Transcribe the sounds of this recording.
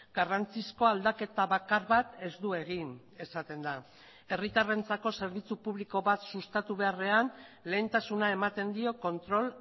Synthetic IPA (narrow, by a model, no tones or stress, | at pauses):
ɡ̥arant͡sisko̞ald̪ake̞t̪aβakaɾβat̪e̞zd̪ue̞ɣ̞in | e̞sat̪e̞nd̪a | e̞rit̪are̞nt͡sako̞se̞ɾβit͡supuβ̞liko̞βat̪sust̪at̪uβ̞e̞are̞anle̞int̪asunae̞mat̪e̞nd̪io̞ko̞nt̪ɾo̞l